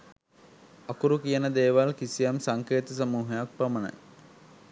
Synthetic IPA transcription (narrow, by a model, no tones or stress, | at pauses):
ɐkuɾukijənəd̪eːʋalkisijamsaŋkeːt̪əs̬ɐmuːɦɐjak̚pɾɐmənɐ̰j